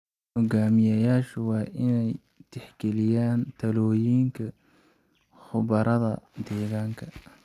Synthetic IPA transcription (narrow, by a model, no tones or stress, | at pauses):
hɔɡaːmɪjɐjaːʃʊwɑːʔɪnɛj | t̪ʰɛħɡɛlɪjaːnt̪ʰɐlɔːjiːŋkʰɐ | χʊβɐɾɐðɐd̪ɛːɣaːŋkʰɐ